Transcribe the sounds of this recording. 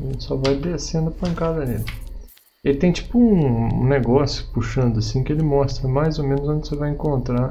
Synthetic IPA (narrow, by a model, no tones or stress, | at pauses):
sɔvajd̪esẽnd̪ʊɐpɐ̃ŋkad̪ɐni | et̪ẽj̃t͡ʃi̥pʊũṵ̃neɡɔsjʊ̥puʃɐ̃nd̪ʊasĩkɪelɪmɔst̪ɾɐmajzomẽnʊzõnd̪ɪsevajẽkõnt̪ɾa